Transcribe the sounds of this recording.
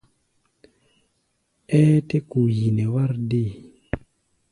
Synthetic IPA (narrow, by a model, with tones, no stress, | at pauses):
ɛ˦te˦ku˨ji˨ne˨wa˦ɾdi˦˨